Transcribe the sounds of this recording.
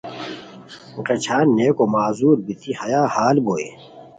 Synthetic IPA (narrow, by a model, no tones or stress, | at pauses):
ʈ͡ʂɐt͡ɕʰaːnːeːkomaːzuːɾbit̪ʰihɐjaːhaːlboːḛː